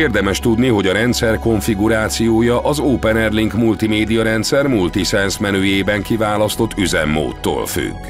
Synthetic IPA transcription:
eːrd̪ɛmɛʃt̪ud̪niɦo̞ɟɒɾɛnt̪sɛrko̞ɱfiɡuɾaːt̪sijoːjɒʔɒzoːpɛnɛrliŋkmult̪imeːd̪ijɒɾɛnt̪sɛrmult̪isɛnsmɛnøːjeːbɛŋkivaːlɒst̪o̞t̪ːyzɛ̰mːo̰ːt̪ːo̰ːlfy̰kː

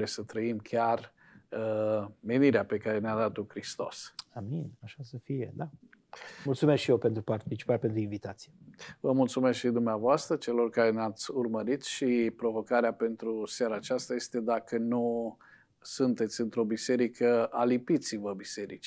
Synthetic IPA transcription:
ɾesət̪ɾəimkʲar | əme̞niɾeape̞kaɾe̞nead̪at̪ukɾist̪o̞̰saminaʃasəfijḛd̪a | mult̪sumeskʃijewpent̪ɾupart̪it͡ʃi̥paɾpe̞nt̪ɾuinvit̪at̪sijevəmult̪sume̞skʃid̪umneavoast̪ɾət͡ʃe̞lo̞rkaɾe̞neat̪sʲurməɾit̪ʃipɾo̞vo̞kaɾeape̞nt̪ɾuseaɾaːt͡ʃast̪aje̞st̪e̞d̪akənu | sunt̪e̞t̪sʲɨnt̪ɾo̞bise̞ɾikʰəalipit̪sivəbise̞ɾḭt͡ʃi̥

